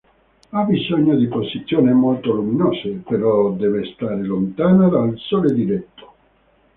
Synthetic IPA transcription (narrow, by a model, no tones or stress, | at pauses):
abisɔɲːod̪iposit̪sːjɔːnemolt̪oluminoːsepeɾɔd̪ɛvest̪aːɾelont̪aːnad̪alsoːled̪iɾɛt̪ːo̥